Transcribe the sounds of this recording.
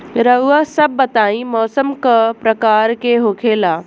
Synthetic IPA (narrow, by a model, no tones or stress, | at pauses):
ɾɐɦuəsɐbːɐt̪aːĩmɔːsəmkəpɾɐkaːɾkeɦoːkʰeːlaː